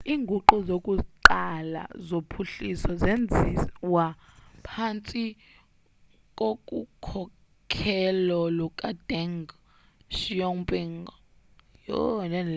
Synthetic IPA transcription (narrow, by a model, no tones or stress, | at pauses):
iːŋɡʱuǃuzokʼuǃala̰zopʰuɬisɔzend͡zʱiwapʰant͡sʼi | k̬ʼokʼukʰɔ | kʰɛlɔlɔkʼad̥ɛŋɡ | ʃijɔŋpʼiŋɡɔ | jɔ̰nɛn